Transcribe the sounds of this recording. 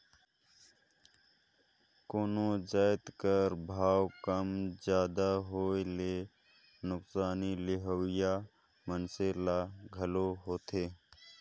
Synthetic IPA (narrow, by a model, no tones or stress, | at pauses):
koːnod͡ʒaːɪt̪kəɾbʱaːwkəmd͡ʒjaːd̪aɦoːele | nʊksaːnilɪɦowɪja | mənselaɡʱəloɦoːt̪eː